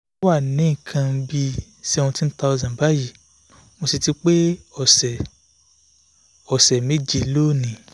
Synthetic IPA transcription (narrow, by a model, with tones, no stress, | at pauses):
wa˦˨nĩ˨˦˨kʰã˧bi˧ | sɛ˧wũ˧ti˦n̩˦ta˧ɔ˧zã˨ba˦ji˦˨ | mo˧si˧ti˦k͡pe˦ɔ˨sɛ˨ | ɔ˨sɛ˨me˦˨d͡ʒi˧˨˦lo˦˨nĩ˨